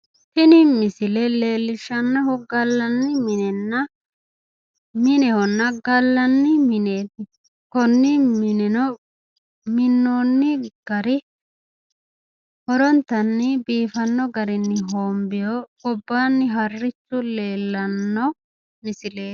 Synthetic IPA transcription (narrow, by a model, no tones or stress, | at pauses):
tɪnɪmɪsɪlɛle̞ːlːɪʃɐnːɔhɔɡɐlːɐnːɪmɪnɛnːɐ | mɪnɛhɔnːɐɡɐlːɐnːɪmɪneːt̪ɪ | kɔnːɪmɪnɛnɔ | mɪnːoːnːɪɡ̥ɐɾɪ | hɔɾɔnt̪ːɐnːɪbiːfɐnːɔɡɐɾɪnːɪɦoːmbɪjɔʊbːaːnːɪɦɐrːɪt͡ʃːʊle̞ːlːɐnːɔ | mɪsɪle̞ː